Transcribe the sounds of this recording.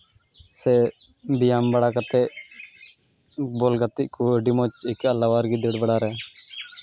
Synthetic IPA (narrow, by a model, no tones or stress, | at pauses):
sɛ | bijambəɽakat̪ɛʔ | bolɡat̪ːiʔkuɖimɔt͡ʃɪkalaʋaɾɡid̪eɽbəɽaɾɛ